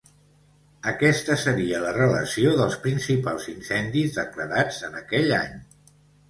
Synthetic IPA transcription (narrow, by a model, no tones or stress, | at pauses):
əkɛst̪əsəɾiələrələ̰sioðəlˠspɾinsipalˠzinsɛnd̪izðəkləɾad͡zənəkɛʎa̰ɲ